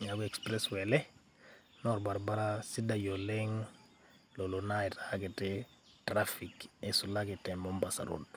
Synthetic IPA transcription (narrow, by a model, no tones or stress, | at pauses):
ɲaɡuɛkspɾɛswɛlɛ | nɔɾbaɾbaɾasidajolɛŋ | lolonaitakɛtɛ | tɾafikesulakɪtɛmɔmbasa̰ɾṵt